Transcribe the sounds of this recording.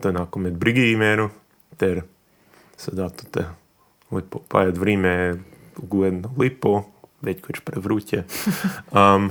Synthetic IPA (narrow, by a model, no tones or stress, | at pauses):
t̪onakomɛd͡z̪bɾiɡimɛɾu | t̪ɛɾ | sɛd̪at̪u̥t̪ɛ | lipopa̰jat̪ʋɾimɛ | ɡuɛd̪nolipoʋɛckʰot͡ʃpɾɛʋɾucʲɛ | am